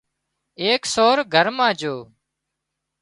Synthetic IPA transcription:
eːksoːɾɡʱəɾmãːd͡ʒoː

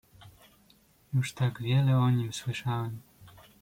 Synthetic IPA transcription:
juʂt̪aɡvʲjɛlɛɔɲimswɘʂawɛm

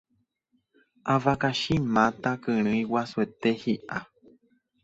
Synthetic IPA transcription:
ʔavakaʃĩmãt̪akɨɾ̃ɨ̃ĩwasuet̪ehiʔa

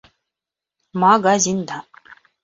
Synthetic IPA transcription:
maɡazind̪a

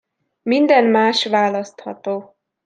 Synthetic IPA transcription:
mind̪ɛnmaːʃʋaːlɒst̪hɒt̪oː

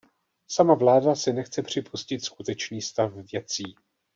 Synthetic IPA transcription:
samavlaːdasɪnɛxt͡sɛpr̝̥ɪpʰuscɪt̪skut̪ɛt͡ʃniːst̪afvjɛt͡siː

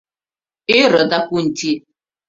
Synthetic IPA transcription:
ɪɾədakʷun̩ti

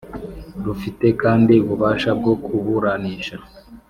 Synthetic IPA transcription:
ɾufite̞kaːndiuβuβaːʃab̚ɡo̞kʰuβuɾaniːʃa

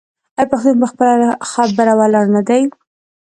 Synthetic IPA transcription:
ajpaxt̪unpəxpəlaxɑb̚baɾawɑlɑɾnad̪aj

